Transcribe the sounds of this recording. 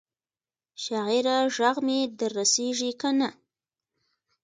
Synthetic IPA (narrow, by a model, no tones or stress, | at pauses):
ʃaɣiɾaʒaɣmed̪aɾːaseʐikana